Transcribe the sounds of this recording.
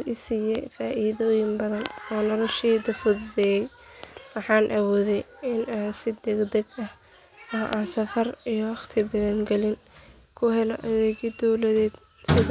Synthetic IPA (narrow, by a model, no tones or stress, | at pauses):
ʔɪsiːjɛjfaːʔiːðɔːjɪmbɐðɐnɔːnɔlɔʃiːd̪ɐfʊððɛjɛj | wɑħɑːnʔɐwɔːðɛj | ɪnaːnsɪd̪ɛɡd̪ɛɡɐh | ɔːʔaːnsɐfɐrijɔwɑχt̪ʰɪbɐðɛŋɡɛlɪn | kʰʊɦɛlɔʔɐðɛːɣid̪ɔwlɐðɛːd̪ | sɪð